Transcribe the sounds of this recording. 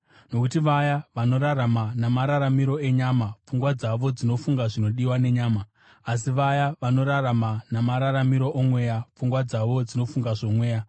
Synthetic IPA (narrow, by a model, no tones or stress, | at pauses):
no̞kutiʋajaʋano̞ɾaɾamanamaɾaɾamiɾo̞e̞ɲamap͡fuŋɡwad͡zaʋo̞d͡zino̞fuŋɡaʐino̞ɗiwane̞ɲaːmaː | s̬iʋajaʋano̞ɾaɾamanamaɾaɾamiɾo̞ʔomwe̞ːjap͡fuŋɡwad͡zaʋo̞d͡zino̞fuŋɡaʐo̞mwe̞ːja